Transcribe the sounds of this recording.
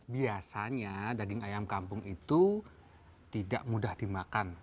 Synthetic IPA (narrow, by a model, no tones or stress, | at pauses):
biasaɲadaɡɪŋajamkampʊŋʔit̪u | t̪ida̰ʔmudahdimakan